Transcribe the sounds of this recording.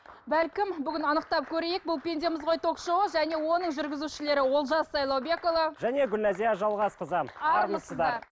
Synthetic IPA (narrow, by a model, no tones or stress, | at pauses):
bælkʲɪmbʏɡʲɪnɑnəq̚t̪ɑp̚kʲʰɵɾe̞jɪk̚bʊlˠpʲe̞nd̪emɪzʁo̞jt̪ʰo̞kʃowəʒæne̞wo̞nəɴʒʏɾɡʲɪzuʃɪle̞ɾɪwo̞lˠʒɑsːɑjlˠɑwbe̞ko̞vˠɑʒæne̞ɡʲʏlːæzijɑʒɑlˠʁɑsqʰəzɑmɑɑɾɾməsəd̪ɑɑ